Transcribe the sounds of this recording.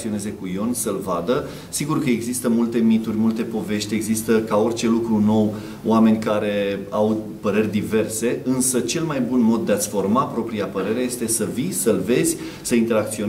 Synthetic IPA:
io̞ne̞ze̞kujo̞nsəlvad̪ə | siɡurkəe̞ɡzist̪əmult̪e̞mit̪urʲmult̪e̞po̞ve̞ʃt̪ʲeɡzist̪əkao̞rʲt͡ʃe̞lukɾuno̞w | w̰ame̞nʲkaɾe̞aw | pəɾe̞rʲd̪ive̞rse̞ɨnsət͡ʃe̞lmajbunmo̞d̪̚ːeat̪sʲfo̞rmapɾo̞pɾiapəɾe̞ɾeje̞st̪e̞səvisəlve̞zʲ | səint̪e̞ɾak̚t̪sio

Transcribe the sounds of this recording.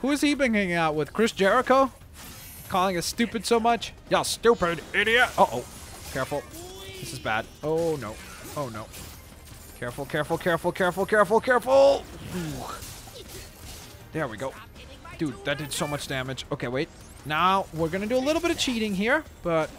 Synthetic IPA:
huɨz̥ibɪ̃ŋɪ̃ŋaʊt̚wəð̥kʰɹ̥ɪsd̥ʒ̥ɛɹɨkoʊ | kʰɔlˠɪ̃ŋɨstʉpɨd̥soʊmʌt͡ʃjəlˠstupə˞ɾɪɾiɨʔoʊʔoʊkʰɛɹfl̩ˠðɪsɨzbæ̰d | oʊnoʊ | oʊnoʊ | kʰɛɹfl̩ˠkʰɛɹfl̩ˠkʰɛɹfl̩ˠkʰɛɹfl̩ˠkʰɛɹfl̩ˠkʰɛɹfl̩ˠu | ðə˞wiɡoʊ | d̥ʉd̚ðɨt̚d̥ɨd̥soʊmʌt͡ʃd̥æmɨ̥d͡ʒoʊkʰeɪweɪt̚ | naʊwɪɹɡʌnɨdɨəlɪɾl̩ˠbɪɾʌv̥t͡ʃʰiɾɪ̃ŋɦiɹ | b̥ʌt̚

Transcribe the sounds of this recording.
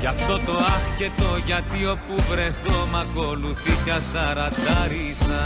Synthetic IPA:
ʝɐft̪o̞t̪o̞ɐfce̞t̪o̞ʝɐt̪io̞puvɾe̞θomɐko̞luθit̪ɐsɐɾɐd̪ɐɾisɐ

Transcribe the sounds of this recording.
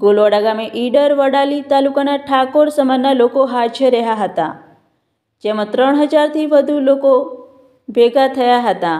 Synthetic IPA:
ɡolʋəɽaɡameʔiɖəɾʋəɽalit̪alukanaʈʰakoɾsəmanːalokoɦat͡ʃʰəɾəɦaɦət̪a̰ | d͡ʒɛmat̪ɾəɳ̃ɦəd͡ʒaɾt̪ʰiːʋəd̪ʱuloko | beɡat̪ʰəjaɦət̪a

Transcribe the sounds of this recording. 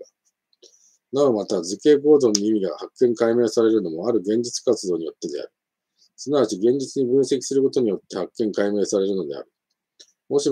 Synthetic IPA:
naomat̪azɨke̞ːko̞ːzõ̞ɲːiimʲiɡahakːẽ̞ŋkaime̞ːsaɾe̞ɾɯ̟no̞mo̞aɾɯ̟ɡẽ̞ɲ̟d͡ʑit͡sɨ̥kat͡sɨd̪o̞ːɲ̟ijo̞t̪ːe̞d̪e̞a̰ɾɯ̟ | sɨnaβat͡ɕiɡẽ̞ɲ̟d͡ʑit͡sɨɲ̟ibɯ̟̃ɰ̃se̞kʲi̥sɨɾɯ̟ko̞t̪o̞ɲ̟ijo̞t̪ːe̞hakːẽ̞ŋkaime̞ːsaɾe̞ɾɯ̟no̞d̪e̞̰a̰ɾɯ̟ | mo̞ɕi

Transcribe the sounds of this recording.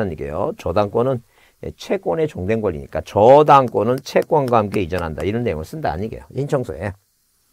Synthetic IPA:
aɲiɡḛjo̰t͡ɕʌdaŋk͈onɯn | jet͡ɕʰe̞k͈one̞t͡ɕoŋde̞nɡwʌʎːḭɲḭk͈at͡ɕʌdaŋk͈onɯnt͡ɕʰe̞k͈wʌnɡwahamk͈e̞id͡ʑʌnɦanda̰iɾʌnːejoŋɯɭs͈ɯndaa̰ɲiɡe̞̰joint͡ɕʰʌŋsʰoe

